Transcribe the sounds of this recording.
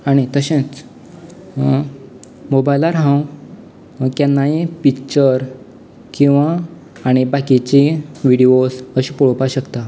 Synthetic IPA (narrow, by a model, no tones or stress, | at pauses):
aɽ̃it̪əɕẽt͡s | mobajlaɾɦãw | kjanːaipikt͡ɕəɾ | kĩw̃ʋaː | ɽ̃ibakit͡ɕiʋiɽiosəɕipɔɭpaɕəkt̪a